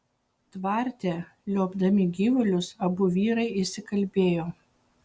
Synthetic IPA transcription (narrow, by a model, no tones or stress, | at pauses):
t̪ʋɑˑɾʲt̪ʲeː | lʲoːbd̪ɐmʲɪɡʲiːʋʊlʲʊsɐbʊʋʲiːɾɐɪɪsʲɪkɐlʲbʲeːjoː